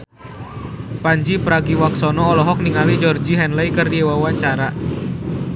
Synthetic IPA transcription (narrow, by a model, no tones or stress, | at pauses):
paɲd͡ʒipɾaɡiwaksɔnɔːlɔɦɔk̚niŋalid͡ʒɔrd͡ʒiɦɛnləikɨrdiɛwawaɲt͡ʃaɾa